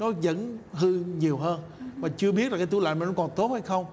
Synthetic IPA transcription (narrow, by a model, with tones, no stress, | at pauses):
nɔ˨˦zə̰˧˥nɦɨ˧ɲi˨˩əwɦəː˧n | vaː˨˩t͡ɕɨ˧əɓi˦˥t̚zaː˨˩kːaː˨˦t̪u˧˦la̰ː˧˨jma˨˩nɔ˨˦kɔ˨˩nt̪o˦˥t̚ha˧jxə˧wŋ͡m